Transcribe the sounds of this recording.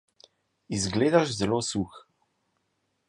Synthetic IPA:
izɡleːd̪aʃzɛloːsux

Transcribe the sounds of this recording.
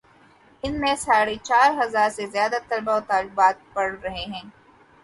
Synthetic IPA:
ɪnmẽsaːɽet͡ʃaːɾɦɐzaːɾsezjaːd̪at̪ɐlbaot̪aːlɪbaːt̪̚pɐɽɾɐɦeɦɛ̃ː

